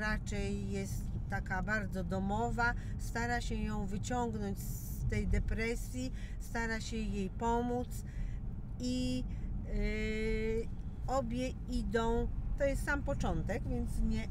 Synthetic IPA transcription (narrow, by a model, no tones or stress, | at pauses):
ɾat͡ʂɛjːɛst̪ːakabaɾd̪zɔd̪ɔmɔvast̪aɾaɕɛjɔ̃w̃vɘt͡ɕɔŋɡnɔɲt͡ɕs | t̪ɛjd̪ɛpɾɛsʲji | st̪aɾaɕɛjejpɔmut̪s | i | ɔbʲjɛ | id̪ɔ̃w̃t̪ɔjɛst̪sampɔt͡ʂɔnt̪ɛɡvʲjɛnt̪sɲɛ